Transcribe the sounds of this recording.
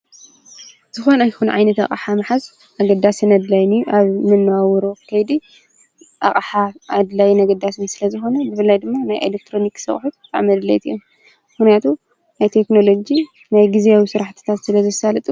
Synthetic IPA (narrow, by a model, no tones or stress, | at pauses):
z̥ɨxo̞najxunʕa̰jnɐt̪a̰χʼaħamɨħaz | ʔaɡɐd̪asinɐd̪lajnijuʔaβmɨnːwawɾo̞kʰɐjd̪i | ʔa̰χʼħaːd̪lajinɐɡɐd̪ːasɨnsɨlɐzɨxo̞nɐbɨfɨlːajd̪ɨmːanajʔḛlek̚t̪ʰɾo̞niksɨ̰χʼħut̪t̪ʰʼa̰ʕmɐd̪lɐ̰jt̪ʰiom | mɨxnijat̪ʰu | najt̪ʰe̞kno̞lo̞d͡ʒi | najɡizijawisɨɾaħt̪ʰɨ̥t̪ʰat̪sɨlɐzɐsalɨt̪ʼu